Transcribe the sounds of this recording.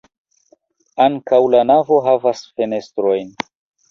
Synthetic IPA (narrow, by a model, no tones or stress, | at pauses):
aŋkawlanavo̞ɦavasfe̞ne̞stɾo̞jn